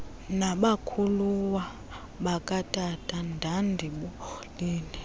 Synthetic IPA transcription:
naɓakʰuluwa | ɓakʼatʼatʰʼandʱandʱiɓɔliːni

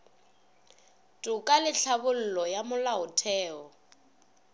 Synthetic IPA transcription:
tʼʊkʼalɪɬʰabʊl̩lɔjamʊlaʊtʰɛːɔ

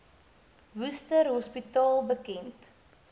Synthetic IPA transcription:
vustərɦɔspitɑːlˠbəkɛnt

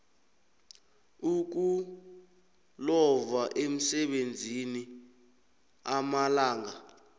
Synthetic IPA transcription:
uk̬u | lɔvaʔem̩sɛɓend͡zʱini | amalaːŋa

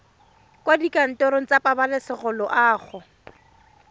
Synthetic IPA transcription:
kʼwadikʼan̩tɔɾoŋ̩t͡sapʼabalɪsɪχʊlɔʔaːχʊ

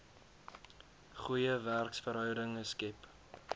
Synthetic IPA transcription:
χujəværksfəɾɦœwdəŋəskɛp

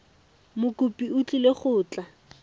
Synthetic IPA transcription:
mʊkʼʊpʼiʊt͡ɬʼileχʊːt͡ɬʼa

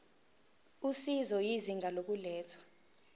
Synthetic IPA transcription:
usizɔjiziŋɡʱalok̬ulɛːt͡sʰwḁ

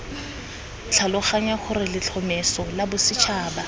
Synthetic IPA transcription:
t͡ɬʰalʊχaɲaχʊrɪlɪt͡ɬʰɔmesɔlabʊsɪt͡ʃʰaːba

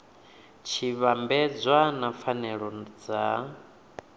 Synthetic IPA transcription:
t͡ʃʰiβambɛd͡zʷwanafanɛɺɔd͡za

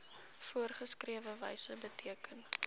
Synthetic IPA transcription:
fuərχəskriəvəvɛ̰jsəbətʰiəkən

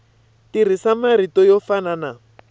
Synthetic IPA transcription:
tirisamaɾitɔjɔfanana

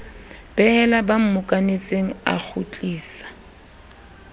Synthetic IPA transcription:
b̥ɛhɛlabam̩mʊkʼanet͡sʼeŋ̩a̰k͡xʰut͡ɬʼiːsḁ

